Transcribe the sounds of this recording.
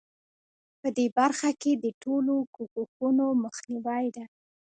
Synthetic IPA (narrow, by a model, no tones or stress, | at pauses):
pəd̪ebaɾxaked̪əʈʰolokukukunoməxniwɑjd̪a